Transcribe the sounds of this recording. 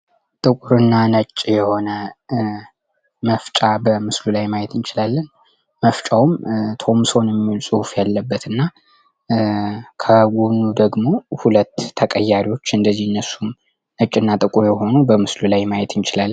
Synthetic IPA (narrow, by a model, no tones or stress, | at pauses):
t̪ʼɨkʼuɾɨnːanət͡ʃʼːjɛho̞nə | məft͡ʃʼabəmɨslulajmajɛt̪ɨnt͡ʃɪlalːən | məft͡ʃʼawumt̪ʰo̞msownjɛmːiwulsʼuhufjalːəbːət̪ɨnːa | kʰəɡunːud̪əɡmo̞hulət̪ʰːəkʼəjːaɾiwo̞t͡ʃːɨnd̪əzːihɨnːəsːum | nət͡ʃʼːɨnːat̪ʼɨkʼuɾjɛho̞nubəmɨslulajmajɛt̪ɨnt͡ʃɪlalːn